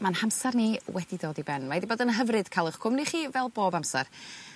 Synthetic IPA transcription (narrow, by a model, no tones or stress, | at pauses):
manhamsarniwɛdidoːdibɛnmaidiboːdənɦəvrɨd̥kʰalˠəχkʰʊmniχiːvɛlˠboːbamsa̰r